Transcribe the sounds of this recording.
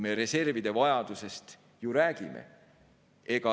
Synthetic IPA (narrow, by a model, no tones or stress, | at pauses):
me̞ɾe̞se̞rvid̪̥e̞vɑjɑd̪̥use̞st̪ | juɾæːɡ̥ime̞̰ | e̞ɡ̥ɑ